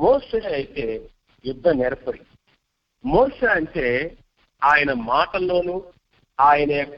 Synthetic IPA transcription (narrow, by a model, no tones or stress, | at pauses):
moːʂeːɐjit̪e̞ː | jud̪ʱːɐneɾɐpɐɽi | moːʂeːɐɳʈe̞ː | aːjɐnɐmaːʈɐlːo̞ːnuː | aːjɐneː